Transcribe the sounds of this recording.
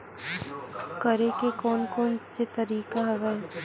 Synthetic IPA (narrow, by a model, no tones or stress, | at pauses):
kəɾekekɔːnkɔːnset̪ɐɾiːkaɦɐɡae